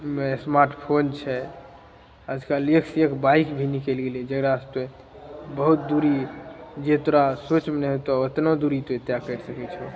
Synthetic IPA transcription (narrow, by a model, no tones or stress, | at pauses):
mesmaɾʈpʰont͡ʃʰɛ | əd͡ʒʱkaleksekbaikbʱinikelɡeliɛd͡ʒəɡɾast̪e | bəɦut̪̚d̪uɾid͡ʒet̪oɾasot͡ʃmenɛɦet̪ɔət̪nod̪uɾit̪oet̪jakəɾsəkɛt͡ʃʰɔ